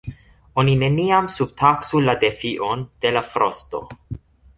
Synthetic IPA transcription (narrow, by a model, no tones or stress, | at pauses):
onine̞niamsub̚tʰaksuladefiʔond̥e̞lafɾosto̞̰